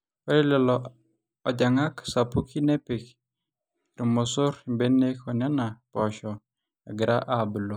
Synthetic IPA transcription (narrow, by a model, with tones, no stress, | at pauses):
ɔ˦ɾe˦lɛ˨lɔ | ɔ˨d͡ʒa˨ŋa˦ksa˨pu˦kʰi˦ne˦pe˨k | ɾu˨mo˨so˦ɾi˨mbe˦ne˦kɔ˨na˦na˨pɔ˨ʃɔ˨ | a̰˨ɡɪ˨ɾʔa̰˦ʔa˦bu˨lo˨